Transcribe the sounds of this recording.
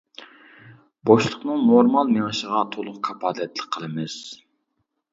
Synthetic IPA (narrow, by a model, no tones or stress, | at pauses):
boʃlˠəqnɨŋnoɾmɑlˠmeŋɨʃəʁɑt̪ʰolˠʊq̚kʰɑpʰɑːlɛt̪ʰlˠəkqʰːəlˠɨmɨz̥